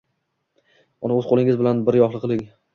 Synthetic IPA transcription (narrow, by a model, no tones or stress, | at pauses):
ɒnaɵzqʰolˠɪŋʲɪzbɪlanbɪɾjɒhlˠɨqʰɨlˠɪŋ